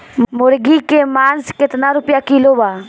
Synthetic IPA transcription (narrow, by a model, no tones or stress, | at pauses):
mʊɾɡikemaːnskɪt̪naɾʊpjakiloːba